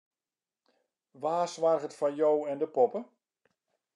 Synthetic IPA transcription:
ʋaːsʋarɣətfɑnjowɛndəpɔpə

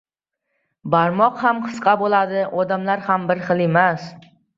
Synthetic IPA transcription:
baɾmɒqhamqʰɨ̥sqʰɑbolˠad̪ɪʔɒd̪amlaɾhambɪɾχɨlˠe̞mas

